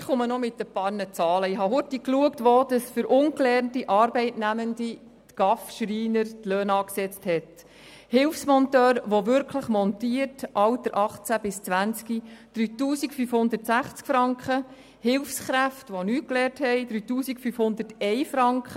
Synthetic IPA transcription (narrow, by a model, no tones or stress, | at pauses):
ɪχʊmənɔmɪtːəpɑːɾnət͡sɑːləɪɦɑɦʊtikluəktʋoːd̥ɑsfʏɾʔʊŋklɛːɾntiʔɑːɾbɛɪtnæməndi | tɡ̥ɑfʃriːnəɾtløːnɑːksɛt͡sthɛt | hɪlfsmɔnt̪øːɾʋoʋʏɾkχləχmɔnt̪iəɾtʔɑwd̥əɾʔɑχt͡sæb̥ɪst͡sʋænt͡skid̥ɾyːtuːsikfyfhʊnd̪ətsæχt͡skfɾɑŋkχə | hɪlfsχɾæftʋonyːklɛːɾthɛɪd̥̪ɾyːtuːsikfyfhʊnd̪ətɛɪfɾɑŋkχə